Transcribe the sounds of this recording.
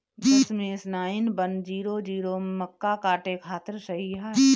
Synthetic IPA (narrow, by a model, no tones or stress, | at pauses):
dɐsmẽɪsnaːɪnbənd͡ʒiːɾod͡ʒiːɾomɐkːakaːʈekʰaːt̪əɾsɐɦiaːɦ